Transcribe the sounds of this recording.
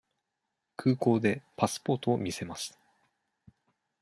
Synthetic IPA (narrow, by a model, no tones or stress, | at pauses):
kʰɯ̟ːko̞ːd̪e̞pasɨ̥po̞ːt̪o̞omʲise̞masɨ̥